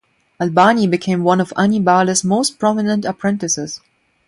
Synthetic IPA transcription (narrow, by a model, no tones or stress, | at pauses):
əlbanibɨkʰẽɪ̃mwʌ̃nɔva̰nibaləsmoʊst̚pʰɹ̥ɔmɪnə̃ntəpʰɹɛ̃ntɨsɪz̥